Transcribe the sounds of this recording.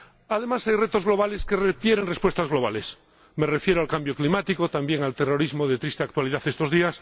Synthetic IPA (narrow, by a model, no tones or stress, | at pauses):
að̞e̞masajret̪o̞zɣlo̞β̞aleskerepjeɾenrespwest̪azɣlo̞β̞ale̞s | merefje̞ɾoalkambjo̞klimat̪ikot̪ambje̞ŋalt̪ero̞ɾizmoð̞et̪ɾist̪eakt̪waliðaθest̪o̞zðias